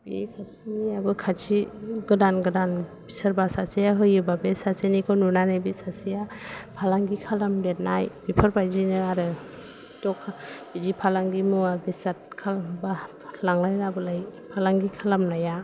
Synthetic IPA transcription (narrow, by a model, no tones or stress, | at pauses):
bikʰasiniabɯkʰat͡ʃiɡɯdanɡɯdanbisaɾbasasejaɦɯjɯbabesasenikʰɯnuɾnanajbisasijapʰalaŋɡikʰalamdet̚najbipʰɯɾbajzinɯaɾɯ | tɔkʰab̥id͡ʒipʰalaŋɡimuabesat̚kʰalba | laŋlajnabɯlajpʰalaŋɡikʰalamnaja